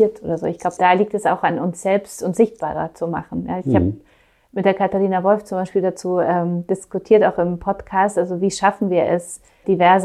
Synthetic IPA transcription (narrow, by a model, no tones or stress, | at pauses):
ɐtʔo̰ːdɐzo̰ːɪçɡ̥laʊbəd̥aːliːk̚tɛsa̰ʊxanʊnsz̥ɛlpstʊntz̥ɪçt̚b̥a̰ːʁɐ̰t͡suma̰χn̩jaːɪçhaːb | mɪt̚d̥eːɐkʰataʁiːnavɔlft͡sʊmbaɪʃpiːldat͡suːʔɛːmd̥ɪskʊtʰiːɐtaʊxɪmpʰɔtkʰaːstʔalzoviːʃafn̩viːɐʔɛs | d̥ivɛɐz